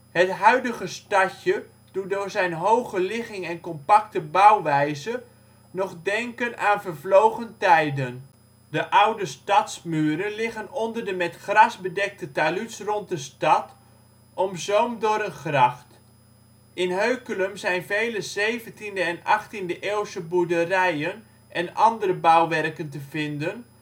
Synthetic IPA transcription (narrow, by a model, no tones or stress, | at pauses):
hətɦœɥdəχəstɑcə | d̥utdʊːɹzɛjnɦowχəlɪχɪŋɛnkɔmpɑktəbɑwʋɛjzə | nɔχdɛŋkənaːnvəɹvlowχəntɛjdən | dəʔʌwdəstɑtsmyːɾənlɪχənɔndərdəmɛtχrɑsbədɛk̚tətalysrɔnt̚dəstɑt | ɔmzowmdʊːɾənχrɑχt | ɪnɦøɥkələmzɛjnvejləzejvəntindəɛnɑχtindəʔeːwsəbudərɛjən | ʔɛnɑndərəbawʋɛrkəntəvɪndən